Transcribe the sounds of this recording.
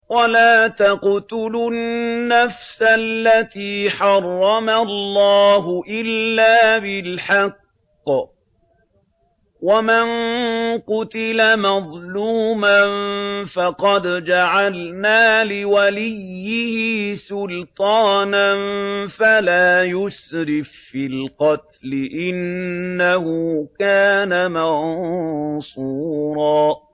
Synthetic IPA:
walaːt̪aqt̪ʊlʊnːafsalːat̪iːħɑrˤːɑmalːɑːɦʊʔɪlːaːbɪlħɑqː | wamanqʊt̪ɪlamɑðˤluːmanfɑqɑd̪d͡ʒaʕalnaːlɪwalɪjːɪhɪːsʊlt̪ˤɑːnanfalaːjʊsɾɪffɪlqɑt̪lɪʔɪnːahʊkaːnamɑn | suːɾɑː

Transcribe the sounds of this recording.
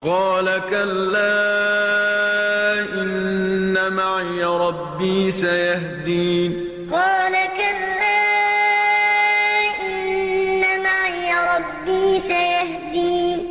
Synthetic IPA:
qɑːlakalːaː | ʔɪnːamaʕjaɾˤɑbːiːsajahd̪iː | qɑːlakalːaː | ʔɪnːamaʕjaɾˤɑbːiːsajahd̪iː

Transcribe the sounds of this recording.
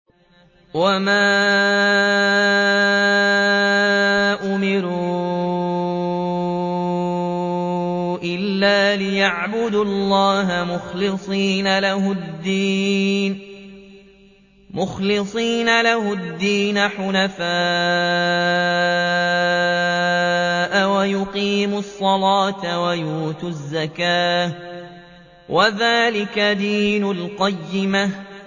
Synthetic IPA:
wamaː | ʔʊmɪɾuː | ʔɪlːaːlɪjaʕbʊd̪ɑlˤːɑːɦamʊxlɪsˤiːnalahʊd̪ːiːn | mʊxlɪsˤiːnalahʊd̪ːiːnaħʊnafaː | ʔawajʊqiːmʊsˤːɑlɑːt̪wajuːt̪ʊzːakaː | wʔaðaːlɪkad̪iːnʊlqɑjːɪma

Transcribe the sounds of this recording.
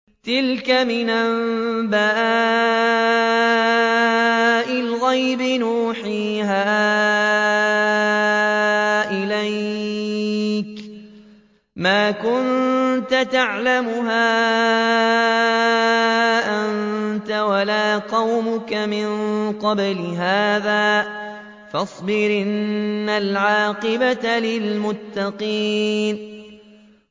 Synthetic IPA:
t̪ɪlkamɪnʔambaː | ʔɪlɣajbɪnuːħiːɦaː | ʔɪlaj | k | maːkʊnt̪at̪aʕlamʊɦaː | ʔant̪awalaːqɑwmʊkamɪnqɑblɪɦaːðaː | fɑsˤbɪɾʔɪnːalʕɑːqɨbat̪alɪlmʊt̪ːɑqiːn

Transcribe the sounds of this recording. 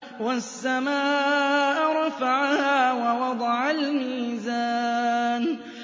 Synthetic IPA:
wasːamaːʔʔʔɾˤɑfaʕahaːwɑwɑd̪ˤɑʕalmiːzaːn

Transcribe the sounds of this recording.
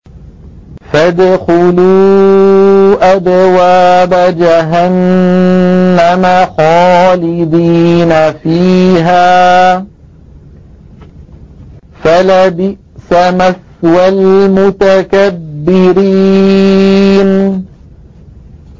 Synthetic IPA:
fad̪xʊluː | ʔad̪waːbad͡ʒaɦan | amaxɑːlɪd̪iːnafiːɦaː | falabɪʔsamaθ | walmʊt̪akabːɪɾi | n

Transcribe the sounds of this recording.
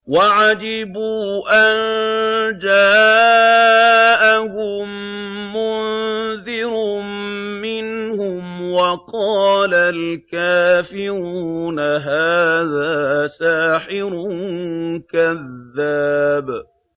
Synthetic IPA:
waʕad͡ʒɪbuːʔan | d͡ʒaː | ʔahʊmː | ʊnðɪɾʊmɪnhʊmwɑqɑːlalkaːfɪɾuːnaɦaːðaːsaːħɪɾʊ | kaðːaːb

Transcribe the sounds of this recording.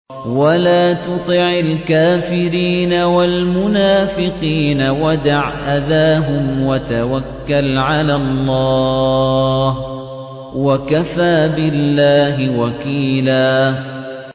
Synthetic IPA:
walaːt̪ʊt̪ˤɨʕalkaːfɪɾiːnawalmʊnaːfɪqiːnawad̪aʕʔaðaːɦʊmwat̪awakːalʕalalˤːɑː | h | wakafaːbɪlːaːɦɪwakiːlaː

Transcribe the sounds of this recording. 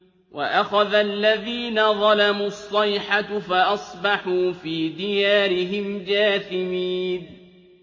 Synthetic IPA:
wa̰ʔaxaðalːaðiːnaðˤɑlamuːɑsˤːɑjħafaʔɑsˤbɑħuːfiːd̪ɪjaːɾɪɦɪmd͡ʒaːθɪmiːn

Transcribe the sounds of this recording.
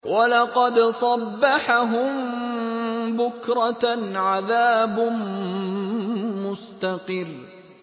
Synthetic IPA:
walɑqɑd̪sˤɑbːɑħaɦʊm | bʊkɾˤɑʕaðaːbm | mʊst̪aqɪr

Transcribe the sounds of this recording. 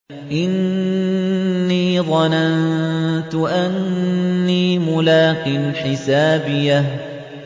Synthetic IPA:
ʔɪn | iːðˤɑnant̪ʊʔanː | iːmʊlaːqilħɪsaːbɪjːa

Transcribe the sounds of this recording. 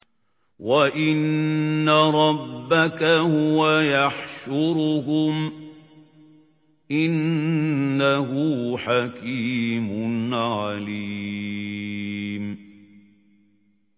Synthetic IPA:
waʔɪnːaɾˤɑbːakahʊwajaħʃʊɾɦʊm | ʔɪnː | aɦʊħakiːmʊnʕaliː | m

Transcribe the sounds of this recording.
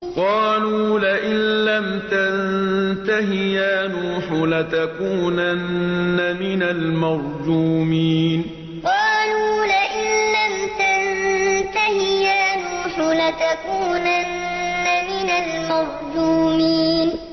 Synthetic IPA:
qɑːluːlaʔɪnlamt̪annt̪aɦɪjaːnuːħʊlat̪akuːnanːamɪnalmɑɾˤd͡ʒuːmiːn | qɑːluːlaʔɪnlamt̪ant̪ahɪjaːnuːħʊlat̪akuːnanː | amɪnalmɑɾˤd͡ʒuːmiːn

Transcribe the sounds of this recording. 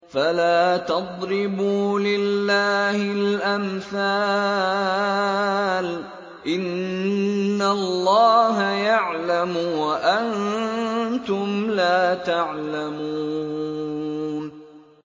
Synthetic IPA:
falaːt̪ɑd̪ˤɾɪbuːlɪlːaːhɪlʔamθaː | l | ʔɪnː | alːɑːɦajaʕlamʊwaʔan | t̪ʊmlaːt̪aʕlamuː | n

